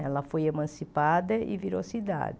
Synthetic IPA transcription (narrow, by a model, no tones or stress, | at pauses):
ɛlɐfojemɐ̃sipad̪ɐḭviɾo̰sid̪a̰d̪ɪ